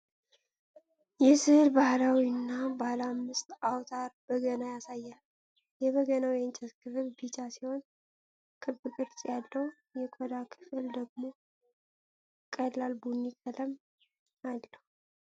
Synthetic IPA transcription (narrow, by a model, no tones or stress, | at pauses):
jɛsɨhlbahlawinːabalamːɨst̪awt̪ʰaɾbəɡənajasajːal | jɛβəɡənawjɛnt͡ʃʼɛt̪kʰɨfɨlbit͡ʃasiho̞n | kʰɨbɨkʼɨɾt͡ʃʼjalːəw | jɛkʰod̪akʰɨ̥fɨld̪əɡmo̞ | kʼəllalbunːikʰʼələm | ad̪nəw